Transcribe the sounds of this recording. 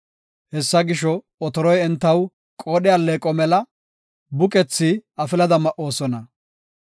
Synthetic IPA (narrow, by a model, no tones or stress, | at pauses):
hɛsːɐɡɪʃɔ | ɔt̪ɔɾɔjɛnt̪ːɐw | kʼoːɗɪjalːeːkʼɔmɛlɐ | bʊkʼɛt͡sːiɐfɪlɐd̪ɐmɐʔːo̞ːsɔnɐ